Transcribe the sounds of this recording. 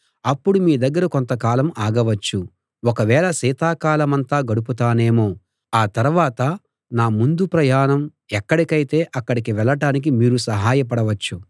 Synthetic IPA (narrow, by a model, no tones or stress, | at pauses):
ɐpːuɽumiːd̪ɐɡːɐɾɐkont̪ɐkaːlɐmaːɡɐʋɐt͡ʃːu | wɔkɐʋɛːɭɐsiːt̪aːkaːlɐmɐnt̪aːɡɐɽuput̪aːne̞ːmo̞ː | aːt̪ɐɾuʋaːt̪ɐ | naːmund̪upɾɐjaːɳɐm | ɛkːɐɽikɐjt̪e̞ːʔɐkːɐɽikiʋɛlːɐʈaːnik̬imiːɾusɐɦaːjɐp̬ɐɽɐʋɐt͡ʃːu